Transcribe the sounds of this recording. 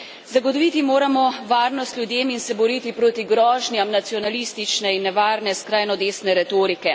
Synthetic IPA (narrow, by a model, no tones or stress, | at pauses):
zaɡɔt̪ɔʋiːt̪imoːɾamɔʋaːɾnɔst̪lʲjud̪eːminsɛbɔɾiːt̪ipɾoːt̪iɡɾɔːʒnjamnat̪siɔnaliːst̪it͡ʃnɛinːɛʋaːɾnɛskɾaːjnɔd̪eːsnɛɾɛt̪oːɾikɛ